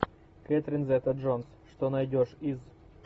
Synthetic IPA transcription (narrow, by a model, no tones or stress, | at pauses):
kɛt̪ɾʲɪnzɛt̪ɐʐonsʂt̪onɐjdʲoʂiz